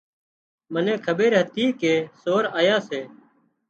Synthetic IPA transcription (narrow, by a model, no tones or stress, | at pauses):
mənẽːkʰəɓeːɾɦət̪iːkeːsoːɾaːjaːseː